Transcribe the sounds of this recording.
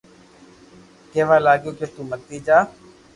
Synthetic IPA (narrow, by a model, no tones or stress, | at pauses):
keːʋaːlaːɡjoːkeːt̪uːmək̚t̪iːd͡ʒaː